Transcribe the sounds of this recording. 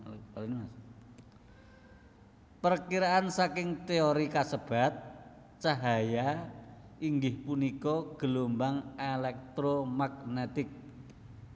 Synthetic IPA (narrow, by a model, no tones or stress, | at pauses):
alnma | pərkiɾaʔansakɪŋt̪eoɾikasəb̥a̤t̪̚ | t͡ʃaɦaja | iŋɡɪhpunikɔɡ̥əlombaŋelɛk̚t̪ɾomaɡ̚net̪ɪk̚